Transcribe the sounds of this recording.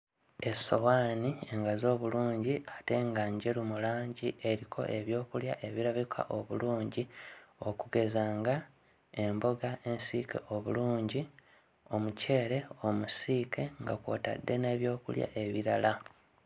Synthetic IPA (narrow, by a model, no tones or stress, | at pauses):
e̞sowaːnie̞ŋɡazo̞ːβuluːɲɟiate̞ŋɡaɲɟe̞lumulaːɲɟiʔe̞ɾikʰo̞̰ʔe̞βjo̞ːkulja̰ʔe̞βiɾaβikʰa̰ʔo̞βṵluːɲɟio̞kuɡe̞zaːŋɡa | e̞mbo̞ɡae̞nsiːkʰe̞̰ʔo̞βuluːɲɟi | o̞muce̞ːɾe̞o̞musiːkʰe̞ŋɡakwo̰ːta̰dːe̞ne̞ːβjo̞ːkṵlja̰ʔe̞βiɾala